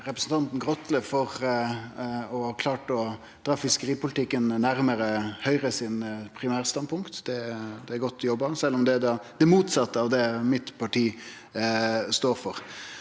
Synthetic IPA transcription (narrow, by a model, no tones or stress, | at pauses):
ɾɛpɾəsn̩t̪ɑnt̪n̩ɡʁɔt̪ləfɔʁ | ɔkʰlɑːʈɔ | d̪ɾɑːfɪskəɾiːpʊlɪt̪ɪkːənnæɾməɾəhœʏʁəsɪnpʰɾɪmæːɾst̪ɑnpʰʊŋkt̪d̪̥ɛd̪ɛæɾɡɔt̪ːjɔbːəsɛlːɔmd̪ɛd̪ɑd̪̥ɛmuːt̪sɑt̪ːəɑʋd̪ɛmɪt̪pʰɑʈiː | st̪oːɾfɔʁ